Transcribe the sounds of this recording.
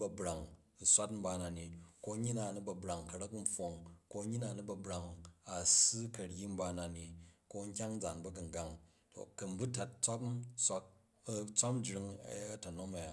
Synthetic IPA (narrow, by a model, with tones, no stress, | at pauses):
bɐ˨bɾa˨ŋ˨ | sʷa˦tm̩˦ba˧na˨ni˨ko˧˦ɲi˦na˨nu˦bɐ˨bɾa˨ŋkɐ˨ɾɐ˦km̩˦ɸo˨ŋko˦ɲi˦na˨nu˦bɐ˨bɾa˨ŋa˨sɨ˦kɐ˨ɾji˦m̩˦ba˧na˨ni˨ko˦ŋ̩˦kʲa˦ŋ˦d͡za˨nbɐ˦ɡɨ˨ŋ˨ɡa˨ŋ | to̰˨kɐ˨m˨˦bu˦ta˨t̚t͡sʷa˦psʷa˦k̚ | t͡sʷa˦pm˦d͡ʒɾi˧ŋ̰˨˦tɐ˨no˦mɐ˨ja˨